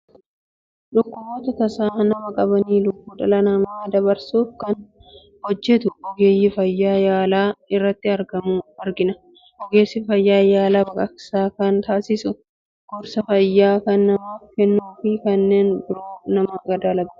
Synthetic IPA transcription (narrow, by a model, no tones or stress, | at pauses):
ᶑʊkːʊboːt̪ɐt̪ɐsaːnɐmɐkʼɐbɐniːlʊbːuːᶑɐlɐnɐmaːd̪ɐbɐɾsuːfkɐn | hɔd͡ʒːɛt̪ʊʔɔɡeːjɪfɐjːaːjaːlaːɪrːɐt̪ːɪɐɾɡɐmuːɐɾɡɪnɐ | ʔɔɡeːsɪfɐjːaːjaːlaːbɐkʼɐksaːkɐnt̪aːsɪsʊ | ɡ̥ʊɾsɐfɐjːaːkɐnːɐmaːfkɛnːuːfɪkɐnːe̞ːnbɪɾo̞ːnɐmɐɡɐd̪aːlɐɡʊ